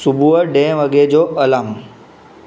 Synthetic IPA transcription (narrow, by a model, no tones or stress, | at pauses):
subʱuəɖẽʋəɡed͡ʒoʔəlam